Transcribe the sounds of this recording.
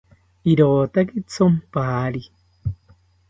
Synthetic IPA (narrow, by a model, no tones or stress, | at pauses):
iɾoːt̪akit͡sʰompaːɾi